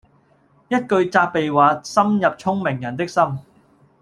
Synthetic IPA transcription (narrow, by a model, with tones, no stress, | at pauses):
jɐ˥t̚kɵ˧ɥt͡saː˧k̚pe˨jwaː˨˧sɐ˥mjɐ˨p̚t͡sʰʊ˥ŋmɪ˨˩ŋjɐ˨˩nt̪ɪ˥k̚sɐ˥m